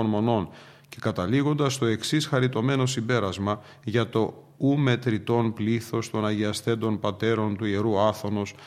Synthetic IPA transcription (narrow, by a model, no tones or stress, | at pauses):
onmo̞no̞n | ce̞kɐt̪ɐliɣo̞nd̪ɐst̪o̞e̞ksisxɐɾit̪o̞me̞no̞simbe̞ɾɐzmɐ | ʝɐt̪o̞ | ume̞t̪ɾit̪o̞npliθo̞st̪o̞nɐʝiɐst̪e̞nd̪o̞npɐt̪e̞ɾo̞nt̪uieɾuɐθo̞no̞s